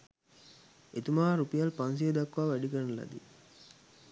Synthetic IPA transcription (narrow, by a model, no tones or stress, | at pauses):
et̪umaːɾupijɐlpans̬ied̪ɐkːʋaːʋæɖikɐɾlɐ̰d̪ḭ